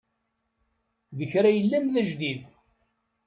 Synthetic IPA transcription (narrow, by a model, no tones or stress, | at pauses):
ðəçɾæjəlːæmðæʒd̪ið